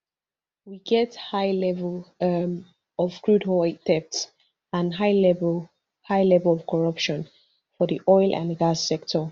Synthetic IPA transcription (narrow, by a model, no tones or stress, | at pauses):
wiɡɛthaɪlɛvlʌm | ɔv̥kɹudhɔdɛp̚ts | ãnɦaɪlɛ | haɪlɛvəlɔv̥kʰɔɹʌpʃɔ̃n | fɔðiʔɔɪlˠʔã̰nɡasːɛk̚tʰə